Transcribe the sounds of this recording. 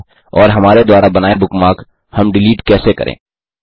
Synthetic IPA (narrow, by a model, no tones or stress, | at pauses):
ɔːɾɦɐmaːɾed̪waːɾabɐnaːebʊkmaːk | hɐmɖɪliːʈkɛːsekɐ̰ɾʔḛ̃ː